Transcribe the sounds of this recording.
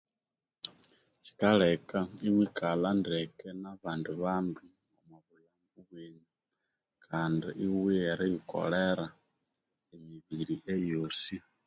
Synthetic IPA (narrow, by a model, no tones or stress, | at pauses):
t͡ʃi̥kaɺɛkaiwikalandɛkɛnaβanduβandu | amwaβulambuβweɲi | kʰandiʔiwiɛɾijikɔ̰ɺɛɾa | emiβiɾiʔɛjosi